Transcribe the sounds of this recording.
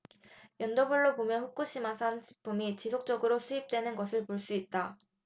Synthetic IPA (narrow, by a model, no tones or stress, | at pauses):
jʌndʌbuɭːobomjʌnɸuk̚k͈uɕ͈ʰimasʰant͡ɕi̥pʰumit͡ɕisʰok̚t͡ɕ͈ʌɡɯɾosʰuip̚t͈we̞nɯnɡʌsʰɯɭpoɭs͈uit̚t͈a